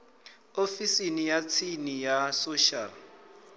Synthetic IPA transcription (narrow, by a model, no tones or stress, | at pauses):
ofisinijat͡sʰinijasoʃal